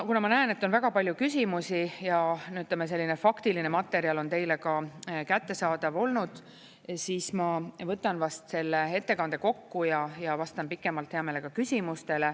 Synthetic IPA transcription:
kunɑmɑnæene̞t̪ːo̞nvæɡ̥ɑpɑlʲjukys̬ʲimusijɑnyt̪lemːese̞lːinefɑkt̪iline̞mɑt̪ːe̞ɾiɑlo̞nt̪e̞jle̞kɑkæt̪ːe̞sɑːd̪̥ɑvo̞lnud̪̥ | siːsmɑvɤt̪ːˑɑnvɑst̪se̞lːee̞t̪ːe̞kɑnd̪̥e̞ko̞kːujɑjɑvɑst̪ɑnpikːˑe̞mɑlt̪heɑme̞ːlekɑkysʲimust̪e̞le̞

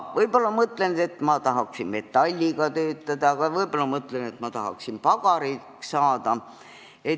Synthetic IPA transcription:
vɤjb̥olːɑmɤt̪lend̪̥e̞t̪ˑmɑt̪ɑɦɑksinme̞t̪ːˑɑlʲːiɡ̥ɑt̪øːt̪ːɑd̪̥ɑɑɡ̥ɑvɤjbolːɑmɤt̪lenet̪mɑt̪ɑɦɑ̰ksimpɑɡɑɾiːksɑːd̪ɑ | e

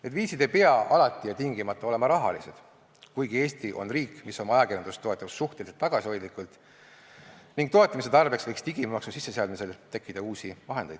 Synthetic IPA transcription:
et̪ːviːsid̪e̞jpeɑɑlɑt̪ːˑijɑt̪iŋɡ̥imɑt̪ːˑɑo̞le̞mɑɾɑɦɑ̰lḭse̞d̪̥ | kujɡ̥ie̞ːst̪iʔo̞̰nriːkːˑmiso̞mɑjɑkirjɑnd̪̥ust̪ːˑo̞e̞t̪ːˑɑusːuht̪eliselt̪ːɑɡ̥ɑsio̞jd̪likult̪ | niŋɡ̚t̪o̞et̪ːˑɑmis̬e̞t̪ɑrbe̞ksvɤjkst̪iɡ̥immɑksusisːe̞seɑd̪mise̞lt̪e̞kːid̪̥ɑuːsivɑɦe̞nd̪e̞jd̥̪

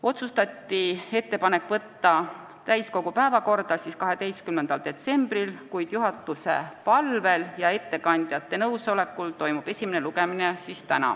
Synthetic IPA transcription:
o̞t̪sust̪ɑt̪ːie̞t̪ːe̞pɑne̞kːˑvɤt̪ːɑ | t̪æjsko̞ɡ̥upæevɑko̞rd̪̥ɑsiskɑɦe̞d̪e̞jst̪kymnːend̪̥ɑld̪e̞t̪se̞mb̥rilkujd̪̥juɦɑt̪ːˑuse̞pɑlve̞ljɑe̞t̪ːe̞kɑnʲd̪̥jɑt̪ːe̞nɤwso̞le̞kːˑult̪o̞jmub̥e̞sʲimeneluɡe̞minesist̪ænɑ̰

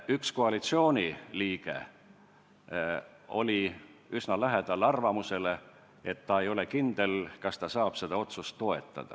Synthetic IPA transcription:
yksko̞ɑlit̪sio̞ːnʲiliːɡ̥e̞̰ | o̞lʲiysnɑlæɦe̞d̪̥ɑlɑrvɑmuse̞le̞ | e̞t̪ːɑe̞jo̞le̞kind̪̥e̞lkɑst̪ɑsɑːb̥se̞d̪̥ɑo̞t̪sust̪ːo̞e̞t̪ːˑɑ̰d̪̥ɑ̰

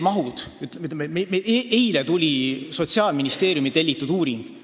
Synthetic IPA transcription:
mɑɦud̪̥yt̪ːmyt̪ːmemeeeejlet̪ulʲiso̞t̪ʲsiɑːlminist̪e̞ːɾjumit̪e̞lʲːit̪ːˑud̪uːɾiŋɡ̥

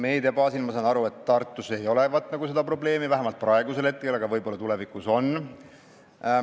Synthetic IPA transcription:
me̞jd̪eɑpɑːsilmɑsɑnɑɾue̞t̪ːɑrt̪ːˑuse̞jo̞le̞vɑt̪ːˑnɑɡuse̞d̪̥ɑpro̞ble̞ːmivæɦemɑlt̪̚prɑeɡuse̞let̪̚ke̞lɑɡ̥ɑvɤjbo̞lːɑt̪ule̞vikˑuso̞n

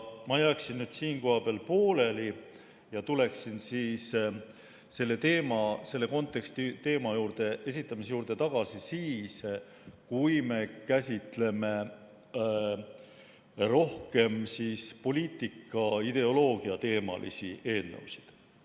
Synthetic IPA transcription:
mɑjæːksinːyd̪̥siːnko̞hɑb̥eæɑlpo̞ːle̞li | jɑt̪ule̞ksinsiːs | se̞lːe̞t̪e̞ːmɑse̞lːe̞ko̞nt̪ːˑe̞kst̪it̪e̞ːmɑjuːɾd̪e̞ʔe̞s̬it̪ˑːɑmisejuːɾd̪e̞t̪ɑɡ̥ɑsisiːs | kujme̞kæsʲit̪ˑle̞me̞ | ɾo̞hke̞msiːspo̞lʲiːt̪ːˑikːˑɑid̪̥e̞o̞lo̞ːɡ̥iɑt̪e̞ːmɑ̰lʔḭsiʔe̞ːlnḛwsi̥d̪̥

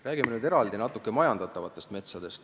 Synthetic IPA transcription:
ræːɡimenyːd̪eɾɑld̪inɑt̪ːˑukːˑemɑjɑnd̪ɑt̪ːˑɑvɑt̪ːˑe̞st̪me̞t̪sɑd̪e̞st̪

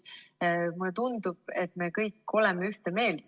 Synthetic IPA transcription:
mulet̪und̪ub̥̚e̞t̪me̞kɤjkːo̞lɛmeyht̪eme̞ːl

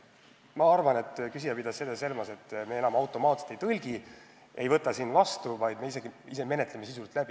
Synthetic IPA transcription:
mɑɑrvɑne̞t̪ːkys̬ijɑpid̪̥ɑssed̪ese̞lmɑse̞t̪ːmeenɑmɑwt̪ːˑo̞mɑːt̪se̥t̪ejt̪ɤlʲɡ̥i | ʔe̞jvɤt̪ːˑɑsinːvɑst̪uvɑjd̪me̞is̬e̞ɡ̥iiseme̞ne̞t̪leme̞sisult̪ˑlæb̥i

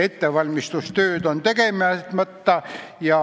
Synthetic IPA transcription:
et̪ːeʋɑlʲmist̪ust̪øːd̪ont̪ekemæt̪mət̪ːɑjɑ

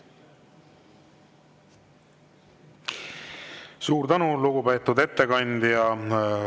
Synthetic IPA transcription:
suːɾt̪ænuluɡ̥upe̞ːt̪ːˑud̪e̞t̪ːe̞kɑnʲd̪jɑ

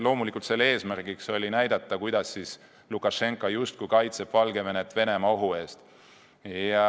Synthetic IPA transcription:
lo̞ːmulikːˑult̪se̞lːee̞ːsmærɡikso̞lʲinæjd̪̥ɑt̪ːˑɑkujd̪̥ɑsːis | lukːˑɑʃe̞ŋkːˑɑjust̪̚kujkɑjt̪sepvɑlɡ̥e̞ve̞net̪ːˑve̞ne̞mɑo̞ɦue̞ːst̪ | ɑ

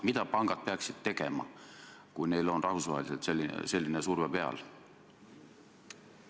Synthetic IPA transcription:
mit̪ɑpɑŋɡ̥ɑd̪̚peɑksid̪̥̚t̪e̞ɡe̞mɑ̰kujne̞jlo̞nrʔɑhusvɑ̰ɦeliselt̪selːise̞lʲːinesurvepe̞ɑ̰l

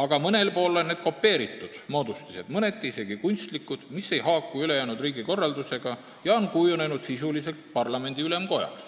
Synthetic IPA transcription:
ɑɡ̥ɑmɤne̞lpo̞ːlːo̞nːed̪̥ko̞pːe̞ːɾit̪ːˑud̪̥moːd̪̥ust̪ise̞d̪̥mɤne̞t̪ːˑiise̞ɡ̥ikunʲst̪likːˑud̪̥misːe̞jɦɑːkːˑuylejæːnud̪riːɡiko̞rːɑld̪use̞ɡ̥ɑ | jɑo̞nkujune̞nud̪̥sisulise̞lt̪pɑrlɑme̞nʲd̪̥iyle̞mko̞jɑ̰ks

